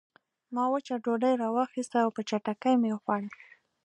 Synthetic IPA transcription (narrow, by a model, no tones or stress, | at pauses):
mɑwət͡ʃaɖoɖajɾɑwɑxist̪aːwpət͡ʃaʈakəjmejoxwɑɽi